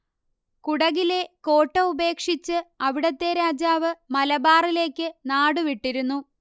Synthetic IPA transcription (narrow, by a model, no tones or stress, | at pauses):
kuɽɐɣile̞ko̞ːʈːɐube̞ːkʂit͡ɕːɨɐʋiɽɐt̪ːe̞ɾaːd͡ʑaːʋɨmɐlɐbaːrile̞ːkʲːɨnaːɽuʋiʈːiɾunːu